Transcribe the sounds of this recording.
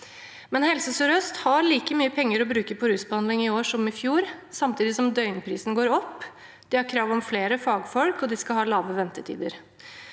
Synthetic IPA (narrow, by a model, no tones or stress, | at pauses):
mɛnhɛlsəsɔɾœst̪hɑɾliːkəmyːəpʰɛŋːəɾɔbɾʉːkəpʰɔɾʉːsbəɑnd̪lɪŋɪoːʂɔmɪfjuːɾsɑmt̪ʰiːd̪ɪsɔmd̪œʏnpʰɾiːsn̩ɡoːɾɔpː | d̪̥ɪhɑɾkʰɾɑːʋɔmfleːɾəfɑːɡfɔlkɔd̪ɪskɑlhɑːlɑːʋəʋɛnt̪ət̪ʰḭːd̪əɾ